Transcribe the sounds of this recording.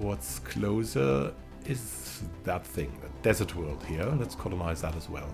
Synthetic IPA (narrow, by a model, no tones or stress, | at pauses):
wʌtskʰloʊzə˞ | ɪz | ðət̪̚θɪ̃ŋðɨ̰t̚d̥ɛzə˞t̚wɜ˞lˠd̚hiɹə̃nlɛtskʰɑlˠənaɪzðəɾəzwɛ̰lˠ